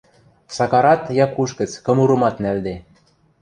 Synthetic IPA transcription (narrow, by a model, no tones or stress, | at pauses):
sɑkɑɾɑt̪jɑkuʃɡə̆t͡skɤ̆muɾɤ̆mɑt̪næld̪e